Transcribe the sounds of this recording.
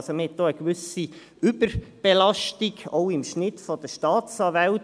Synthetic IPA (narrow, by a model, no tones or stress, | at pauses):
somhɛt̪̚d̥oːəkʋʏsi | ʏb̥əɾb̥ɛlɑʃtiɡoʊɪmʃnɪtfɔd̥əʃtɑːt͡sɑːvɛl